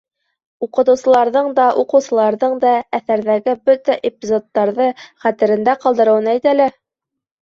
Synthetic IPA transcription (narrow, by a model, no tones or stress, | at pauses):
uqɤ̆t̪ɤ̆wsɤ̆lˠɑɾðɤɴd̪ɑʔuqɤ̆wsɤ̆lˠɑɾðɤɴd̪ɑæθæɾðæɡɘbɵt̪æʔepʲizot̪ːɑɾðɤχæt̪ɘ̆ɾɘ̆nd̪æqɑlˠd̪ɤ̆ɾɤ̆wɤnæjt̪ælɘ